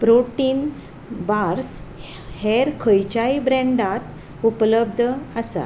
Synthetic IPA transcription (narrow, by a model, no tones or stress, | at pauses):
pɾoʈiːn | baɾs | heɾkʰəjt͡ɕaibɾɛ̃ɳɖat̪ | upləbd̪ʱəəsa̰